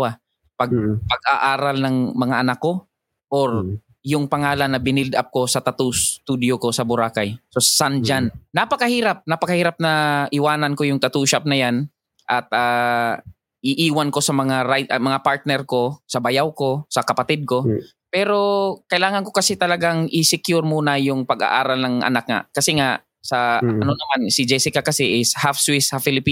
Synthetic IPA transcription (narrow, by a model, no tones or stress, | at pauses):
a | pɐɡ̚pɐɡ̚aʔaːɾɐlnɐŋmɐŋaʔɐnakːo̞ | ʔoɾ | jʊŋpɐŋaːlɐnːɐbɪnɪld̪ap̚ko̞sɐt̪ɐt̪ust̪ud̪ɪjoko̞sɐbʊɾaːkajso̞ssand͡ʒanːɐpɐkɐhiːɾap̚nɐpɐkɐhiːɾap̚nɐʔɪwaːnɐnko̞jʊŋt̪ɐt̪uːʃap̚nɐjan | ʔɐt̪̚ʔaː | ʔɪʔiːwanko̞sɐmɐŋaɾaj̪mɐŋapaɹt̪̚nɛɾko̞sɐbɐjawko̞sɐkɐpɐt̪ɪd̪̚ko̞ | pɛːɾo̞kɐʔɪlaːŋɐnko̞kɐsɛt̪ɐlɐɡaŋʔɪsɪkjʊɾmuːnɐajʊŋpɐɡa̰ʔaːɾɐlnɐŋʔɐ̰nak̚ŋɐ̰kɐsɛŋaʔ | sɐɐ̰nonɐmansɪd͡ʒɛsɪkakɐsɛʔɪshafswisɐfɪlɪpiː